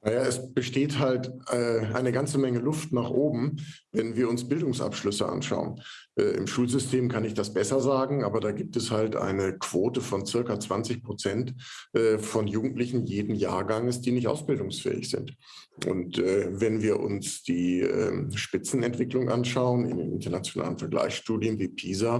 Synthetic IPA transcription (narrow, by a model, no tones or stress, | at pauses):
najaːɛsb̥əʃteːthaltɛːʔa̰ɪnəɡant͡səmɛŋəlʊftnaːχʔoːbm̩ | vɛnviːɐʊnsb̥ɪldʊŋsʔa̰pʃlʏsəʔa̰nʃa̰ʊə̰n | ʔɛːʔɪ̰mʃuːlzʏstʰeːmkʰanɪçd̥asb̥ɛsɐzaːɡŋ̩ʔaːbɐdaːɡiːp̚tɛshaltʔa̰ɪnəkv̥oːtəfɔnt͡sɪɐkat͡sv̥ant͡sɪçpʁ̥ot͡sɛntʔɛːfɔnjuːɡŋ̩tlɪçn̩jeːdn̩ja̰ːɐɡaŋəsd̥iːnɪçtʔa̰ʊsb̥ɪldʊŋsfɛ̰ːɪ̰çz̥ɪ̰nt | ʔʊ̰ntʔɛːvɛnviːɐʔʊ̰nsd̥iːʔɛ̰ːmʃpɪt͡sn̩ɛntv̥ɪklʊŋʔa̰nʃaʊənɪ̰ndḛnʔɪ̰ntɐnat͡sjonʔa̰ːlənfɛɐɡla̰ɪçsʃtuːdjənviːpʰiːza